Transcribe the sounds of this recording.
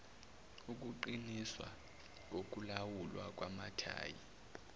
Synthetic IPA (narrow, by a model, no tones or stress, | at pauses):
uk̬ʼuǃiniswa | k̬ok̬ʼulawulwa̰k̬ʼwamatʰa̰ːjḭ